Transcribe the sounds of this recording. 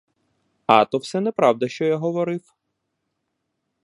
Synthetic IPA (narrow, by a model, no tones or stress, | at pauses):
ɑ̰t̪ɔwsɛnɛpɾɑwd̪ɐʃt͡ʃɔjaɦɔʋɔɾɪw